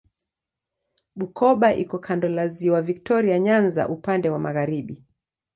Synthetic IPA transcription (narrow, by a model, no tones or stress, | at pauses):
ɓukʰɔɓaʔikɔkʰandɔlaziwavik̚tɔɾiaɲanza̰ʔupandɛwamaɣaɾiɓi